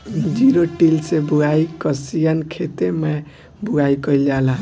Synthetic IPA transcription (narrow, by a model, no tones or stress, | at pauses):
d͡ʒiɾoʈilsebuaikəsijankʰet̪eme | buɡaikəild͡ʒalã